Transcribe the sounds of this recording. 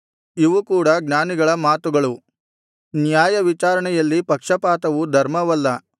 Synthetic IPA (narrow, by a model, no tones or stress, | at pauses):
iʋukuːɽɐɡɲaːniɡɐɭɐmaːt̪uɡɐɭu | njaːjɐʋit͡ʃaːɾɐɳɛjɐlːipɐkʂɐpaːt̪ɐʋud̪ʱɐɾmɐʋɐlːɐ